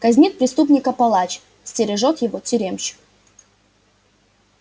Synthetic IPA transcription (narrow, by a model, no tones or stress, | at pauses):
kɐzʲnʲit̪̚pɾʲɪst̪upnʲɪkəpɐlˠat͡ɕ | sʲtʲɪɾʲɪʐot̪jɪvotʲʏɾʲemɕɪ̥k